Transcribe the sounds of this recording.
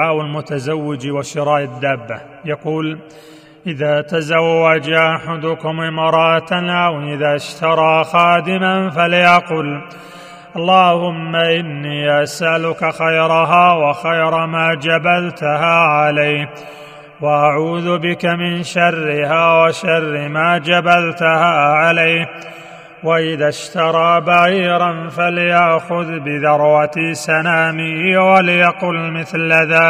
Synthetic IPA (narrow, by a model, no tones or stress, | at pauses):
aːwalmʊt̪azawːɪd͡ʒwaʃɪɾˤɑːʔad̪ːaːbːa | jɑquːl | ʔɪðaːt̪azawːad͡ʒʔaħad̪ʊkʊmʔɪmɑːɾˤɑːt̪awʔɪðaʃt̪ɑɾˤɑːxɑːd̪ɪmanfalɪjaqʊl | ʔɑlˤːɑːhʊmːaʔɪnːiːʔasʔalʊkaxajɾɑɦaːwaxajɾˤɑmaːd͡ʒabalt̪ʊɦaːʕalaj | waʔaʕuːðʊbɪkamɪnʃarːɪhaːwaʃarːɪmaːd͡ʒabalt̪ʊhaːʕalaj | waʔɪðaʃt̪ɑɾˤɑːbaɣiːɾˤanfalɪjaʔxʊðbɪðɑɾˤwat̪sanaːmɪhwaljaqʊlmɪθlaðaː